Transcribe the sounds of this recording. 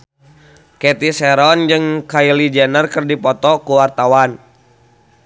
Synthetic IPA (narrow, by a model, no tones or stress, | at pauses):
kɛt̪isɛɾɔnd͡ʒɨŋkailid͡ʒɛnərkɨrdipɔt̪ɔkuwart̪awan